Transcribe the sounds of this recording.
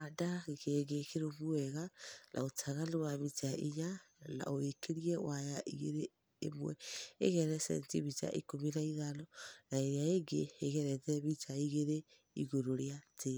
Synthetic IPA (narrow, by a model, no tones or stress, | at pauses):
adaɣekeɡekeɾoβuɛɣanʔa̰otʰaɣalowaβitaʔiɲana̰oekeɾiɛwʔajaʔiɣeɾḛː | mwɛḛɣɛɾɛsɛ̰ntiβita̰ʔḭkominaiðalɔnaeɾjaeɡeːɣɛɾɛtɛβitaiɣeɾe | ḭɣoɾoɾeatʰe